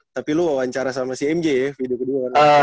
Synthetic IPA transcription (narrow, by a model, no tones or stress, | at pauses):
t̪apiluwawaɲt͡ʃaɾasamasiɛmd͡ʒɛjafidukəduaə